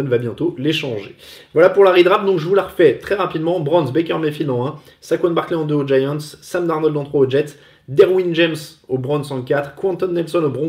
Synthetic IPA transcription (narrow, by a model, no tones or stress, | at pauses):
nvabjɛ̃t̪oleʃɑ̃ʒevwalapuʁlaʁid̪ʁap̚d̪ɔ̃kʒəvulaʁfɛt̪χɛʁapid̪mɑ̃bʁɔ̃nsbɛkʲœʁmefilɑ̃ɛ̃ | sakwɛ̃nbaʁkleɑ̃d̪øod͡ʒajɑ̃t̪sɛ̃md̪aʁnɔld̪ɑ̃t̪χwaod͡ʒɛt̪ | d̪ɛʁwinʒɛmsobʁɔ̃nsɑ̃kʲat̪χkwɛ̃nt̪ɔnːɛlsɔnobʁɔ̃